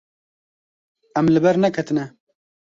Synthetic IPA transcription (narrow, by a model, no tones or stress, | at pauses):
ɛmlɨbɛɾnɛkʰɛt̪ɨnɛ